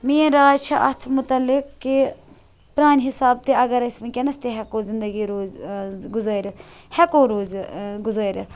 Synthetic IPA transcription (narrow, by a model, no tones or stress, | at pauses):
miːẽɾaːt͡ʃʰɐʔɐt̪ʰmʊt̪ɐlːɪkːi | pɾaːniɦɪsaːb̚t̪eɐɡɐɾɐsmɐkʲenɐst̪eɦɛkoːzɪnd̪ɐɡiɾoːzɡʊzaːɾʲɐt̪hɛkoːɾoːzɡʊzaːɾʲɐt